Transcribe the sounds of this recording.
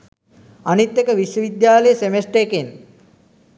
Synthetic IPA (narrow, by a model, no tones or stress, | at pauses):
anit̪jekəʋiʃjəʋid̪jaːləjəsemesʈeeken